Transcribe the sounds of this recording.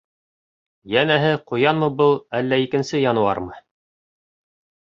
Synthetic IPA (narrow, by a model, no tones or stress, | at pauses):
jænæɦɘqŭjɑnmɤ̆bɤlˠælːæikɘ̆nsɘjɑnɤ̆wɑ̰ɾmɤ